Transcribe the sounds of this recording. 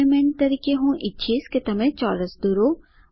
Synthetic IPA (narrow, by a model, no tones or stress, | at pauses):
emɛːnt̪ɐɾiːkeɦũʔɪtːʃʰeːsket̪ɐmẽt͡ʃɔːɾəsd̪uɾo